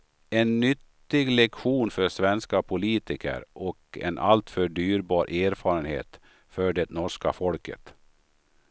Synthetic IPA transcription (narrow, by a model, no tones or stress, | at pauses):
ɛnːʏt̪ːɪɡlɛkɧuːnfœʂvɛnskapʰʊliːt̪ɪkʰə̰ɾʔɔkɛ̰nʔa̰lt̪fœɖyːɾbɑːɾʔeːɾfɑːɾənhḛːt̪ | fœɖɛnɔʂka̰fɔlkə̰t̪